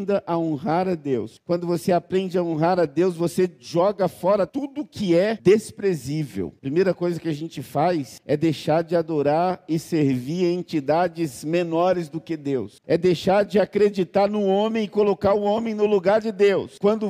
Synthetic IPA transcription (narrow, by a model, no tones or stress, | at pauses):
d̪ɐʔaõɦaɾɐd̪ewskwɐ̃nd̪ʊvoseapɾẽnd͡ʒɪɐõɦaɾɐd̪ewsvoseʒɔɡɐfɔɾɐt̪ud̪ʊkɪɛd̪espɾezivḛwpɾimejɾɐkojzɐkɪaʒẽnt͡ʃɪfajsɛd̪ejʃaɾd͡ʒɪad̪oɾaɾɪseɾviɾẽnt͡ʃid̪ad͡ʒɪzmenɔɾɪzd̪ʊkɪd̪ewsɛd̪ejʃaɾd͡ʒɪakɾed͡ʒit̪aɾnʊõmẽj̃ɪkolokaɾʊõmẽj̃nʊluɡaɾd͡ʒɪd̪ewskwɐ̃nd̪ʊ